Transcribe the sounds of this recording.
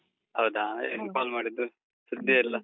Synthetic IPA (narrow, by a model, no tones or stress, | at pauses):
hɐwd̪aːḛːnpaːlmaːɽid̪ːu | sud̪jɐilːɐ